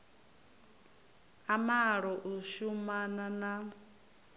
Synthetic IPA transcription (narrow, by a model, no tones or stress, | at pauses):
amaɺɔʔuʃumanana